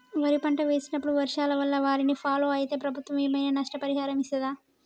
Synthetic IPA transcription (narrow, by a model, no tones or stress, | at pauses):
ʋɐɾipɐɳʈɐʋeːsinɐpːuɽuʋɐɾʂaːlɐʋɐlːɐʋaːɾinipʰaːlo̞ːɐjit̪e̞ːpɾɐbʱut̪ʋɐʋɐjɐmɐjnɐnɐʂʈɐpɐɾiɦaːɾɐmisɐd̪aː